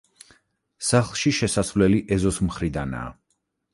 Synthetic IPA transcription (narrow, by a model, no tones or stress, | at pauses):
saχlˠʃiʃɛsasvlɛliʔɛzɔsmχɾid̪ana̰ː